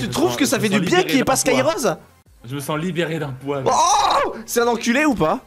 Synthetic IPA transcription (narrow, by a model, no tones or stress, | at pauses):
t̪yt̪χuvkəsafɛd̪ybjɛ̃kʲiɛpaskajʁɔz | ʒəməsɑ̃libeʁed̪ɛ̃pwaosɛɛ̃nɑ̃kʲylɛupa